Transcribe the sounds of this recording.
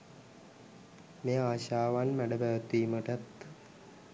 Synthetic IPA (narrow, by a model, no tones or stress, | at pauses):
meːaːɕaːʋaːnmæɖɐbæʋɐt̪ːiːmɐʈɐt̪